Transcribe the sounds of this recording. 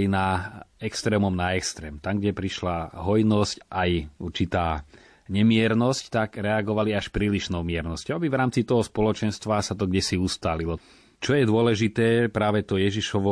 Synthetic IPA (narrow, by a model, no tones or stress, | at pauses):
jnaɛkst̪ɾɛːmɔmnaɛkst̪ɾɛːmt̪amɡɟɛpɾiʃlaɦɔjnɔscʔajuɾt͡ʃit̪aː | ɲɛmɪɛɾnɔsct̪aɡɾɛaɡɔʋaliaʃpɾiːliʃnɔmɪɛɾnɔscɔʊabivɾaːmt͡sit̪ɔɦɔspɔlɔt͡ʃɛnst̪ʋasat̪ɔɡɟɛsiust̪aːlilɔ | t͡ʃɔjɛd̪ʊɔlɛʒit̪ɛːpɾaːʋɛt̪ɔjɛʒiʃɔʋɔ